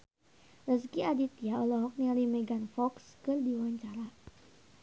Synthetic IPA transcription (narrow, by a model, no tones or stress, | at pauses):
rəskiadit̪̚jaɔlɔɦɔk̚nialimɛɡanfɔkskɨrdiwaɲt͡ʃaɾa